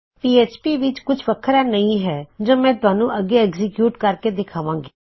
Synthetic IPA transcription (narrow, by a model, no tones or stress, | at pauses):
piːeːt͡ʃpiːʋɪt͡ʃkʊt͡ʃʰʋəkʰːəɾaːnəĩːɦɛːd͡ʒoːmɛ̃ːt̪ʊaːnũːʔəɡːeːɛːɡzɪkjuːʈkəɾkeːd̪ɪkʰaːʋãːŋɡi̥ː